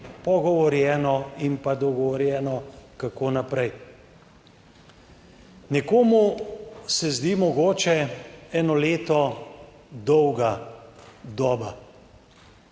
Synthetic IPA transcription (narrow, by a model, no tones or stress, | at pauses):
pɔɡɔʋɔɾjɛːnɔimpad̪ɔɡɔʋɔɾjɛːnɔkakoːnapɾɛj | nʲɛkoːmusɛzd̪iːmɔɡoːt͡ʃɛɛːnɔleːt̪ɔ | d̪ɔwɡa | d̪ɔːba